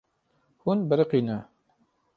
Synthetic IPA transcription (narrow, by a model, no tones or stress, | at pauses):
hunbəɾəqiːnɛ